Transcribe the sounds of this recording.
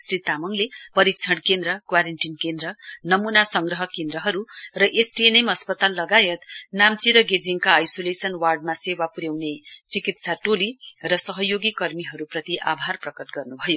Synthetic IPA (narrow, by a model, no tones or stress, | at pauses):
srit̪amʌŋlepʌɾik̚t͡sʰʌɽkend̪ɾʌkwaɾenʈinkend̪ɾʌnʌmunasʌŋɡrʌɦʌkend̪ɾʌɦʌɾurʌʔesʈienemʌspʌt̪alːʌɡajʌt̪namt͡siɾʌɡed͡ziŋkaːjsolesʌnwarɖ̚masewapuɾjewnet͡sikit̪saʈolirʌsʌɦʌjoɡikʌrmiɦʌɾuprʌt̪iʔa̰bʱarprʌkʌʈɡʌrnubʱʌjo